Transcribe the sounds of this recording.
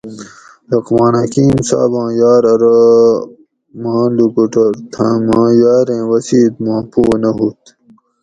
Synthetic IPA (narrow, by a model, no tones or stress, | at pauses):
ɾɐqmaːnɐkiːmsa̰ːbãːjaːɾɐɾɐ | mãːlukuʈɐɾt̪ʰãːmãːjaːɾẽːwɐsiːd̪mãːpoːnɐɦut̪